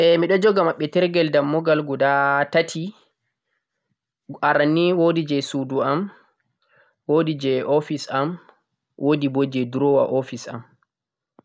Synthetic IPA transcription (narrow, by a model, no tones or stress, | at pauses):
ʔɛmiɗɔd͡ʒɔɡamaɓːɛtɛɾɡɛldamːɔɡalɡɔdatatʰi | aɾanːiwodid͡ʒɛsuduam | wodid͡ʒɛʔɔfisam | wʔodibod͡ʒɛduɾɔwa̰ʔɔfisa̰m